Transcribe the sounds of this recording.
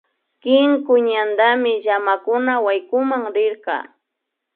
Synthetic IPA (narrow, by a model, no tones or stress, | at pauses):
kɪŋkʊɲand̪amɪʎamakʊnawajkʊmaŋɾɪɾqɑ̰ː